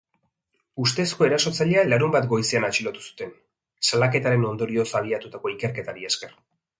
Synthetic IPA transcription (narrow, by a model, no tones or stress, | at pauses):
ust̪e̞sko̞e̞ɾaso̞t͡saʎealaɾumbat̪ɡo̞jseanat͡ʃilot̪u̥su̥t̪e̞n | salake̞t̪aɾe̞no̞nd̪o̞ɾio̞saβ̞iat̪ut̪ako̞ike̞ɾke̞t̪aɾieske̞r